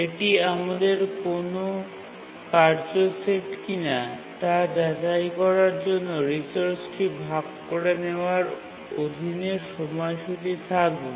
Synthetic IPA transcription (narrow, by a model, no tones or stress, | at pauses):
eʈiamad̪eɾkono | kaɾd͡ʑoseʈkina | t̪ad͡ʑad͡ʑajkɔɾaɾd͡ʑonːoɾisoɾt͡ɕʈibʱaɡkːoɽeneoaɾ | od̪ʱineɾʃɔmɔeʃut̪it̪ʰakbe